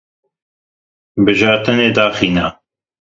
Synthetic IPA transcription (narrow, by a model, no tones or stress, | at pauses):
bɨʒɑːɾt̪ɨneːd̪aːxiːna